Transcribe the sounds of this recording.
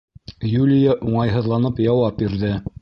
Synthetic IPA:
julʲɪjaʔuɴɑjɦɤ̆ðlˠɑnɤpjɑwɑp̚biɾðɘ

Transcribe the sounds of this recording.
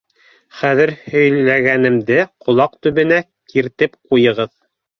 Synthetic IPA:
χæðɘɾhɵ̆jllæɡænɘ̆md̪ɘqʰŏlˠɑq̚t̪ɵ̆βɘ̆næ | kʰiɾt̪ɘpqujɤ̆ʁɤð

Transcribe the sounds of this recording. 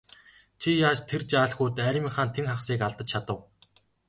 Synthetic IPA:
t͡ɕʰijaːt͡ɕt̪ʰert͡ɕaːɮxʊːt̪æːɾʲɪ̆mĭŋχaːnt̪ʰeŋχaχsiːkaɮt̪ə̆t͡ɕt͡ɕʰat̪ə̆w

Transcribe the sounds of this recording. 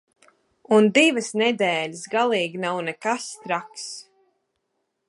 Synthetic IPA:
und̪ivəsnɛd̪ɛːlʲəsɡalˠiːɡʲinawnɛkast̪ɾaks

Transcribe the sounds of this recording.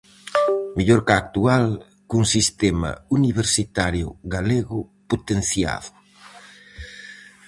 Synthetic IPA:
miʎoɾkaːk̚t̪ual | kuŋsist̪ema̰uniβ̞eɾsit̪aɾjʊɣaleɣʊpot̪enθja̰ðʊ

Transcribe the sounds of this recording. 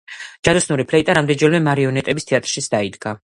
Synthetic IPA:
d͡ʒad̪ɔsnuɾipʰlɛit̪ʼaɾamd̪ɛnd͡ʒɛlmɛmaɾiɔnɛt̪ʼɛbist̪ʰɛat̪ʼɾʃit̪sʰd̪aid̪ɡa

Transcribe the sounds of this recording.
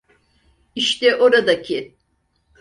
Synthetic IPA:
iʃt̪ɛʔoɾad̪acʰɪ

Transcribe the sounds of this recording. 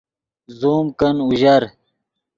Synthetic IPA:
zuːmkɐnuʑɐɾ

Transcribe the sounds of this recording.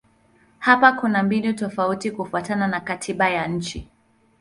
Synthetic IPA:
hapakunambinutɔfautikufuatananakatʰiɓajaɲ̩t͡ʃi

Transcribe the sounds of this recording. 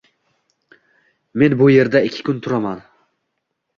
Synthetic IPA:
me̞nbʊje̞ɾd̪aɪkʲʰːɪ̥kʰʊnt̪ʰʊɾaman

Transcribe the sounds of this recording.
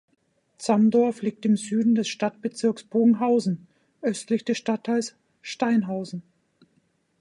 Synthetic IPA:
t͡samdɔɐfliːk̚tɪmzyːdn̩dɛsʃtatb̥ət͡sɪɐksb̥oːɡŋ̩ɦaʊzn̩ | ʔœstlɪçd̥ɛsʃtatʰːaɪls | ʃtaɪnɦaʊzn̩

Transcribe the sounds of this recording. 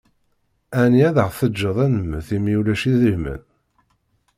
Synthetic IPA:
æniæðəʁθəd͡ʒːəðˤænəmːəθimiulæʃiðəhmə̰n

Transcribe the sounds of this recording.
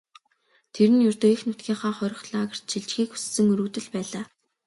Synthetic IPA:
t̪ʰeɾɘ̆njʊrt̪ɵixnʊt̪ɡʲiːɴχaːχɔɾʲɪ̆χɮaːɣə̆r̥t̪ʃiɮt͡ɕxiːku̥ssɘ̆ŋɵɾŭt̪ɘ̆ɮpæːɮaː

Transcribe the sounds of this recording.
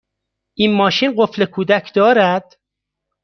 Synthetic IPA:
ʔinmɒːʃiːnɢoflekʰuːd̪æcʰd̪̥ɒːɾæd̪̥

